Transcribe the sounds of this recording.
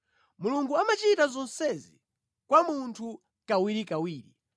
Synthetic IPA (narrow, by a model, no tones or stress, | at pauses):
muluŋɡuamat͡ʃitazɔnsɛzi | kwamuntʰu | kawiɾikawiːɾḭ